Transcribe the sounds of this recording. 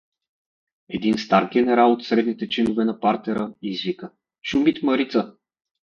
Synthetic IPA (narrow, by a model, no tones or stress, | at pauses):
ɛd̪inst̪aɾɡʲɛnɛɾalˠot̪sɾɛd̪nit̪ɛt͡ʃinʊvɛnɐpaɾt̪ɛɾəizvikə | ʃumit̪məɾit̪sə